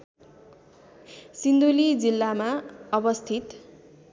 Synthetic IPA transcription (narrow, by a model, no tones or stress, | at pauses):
sind̪ulid͡zilːamaʌbʌst̪ʰit̪